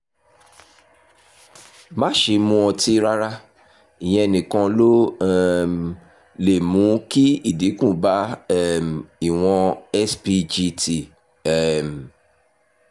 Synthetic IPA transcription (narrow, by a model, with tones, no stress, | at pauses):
mã˦˨ʃe˧mũ˧˦ɔ˧ti˦ɾa˦ɾa˦ | i˨j̃ɛ̃˧˨nĩ˨kã˧lo˦ | le˨mũ˨˦ki˦i˦˨di˨˦kũ˦˨ba˨˦ɛ˦˨m˨i˨w̃ɔ̃˧ɛ˦spi˦d͡ʒi˧ti˨ | ɛ˦˨m˨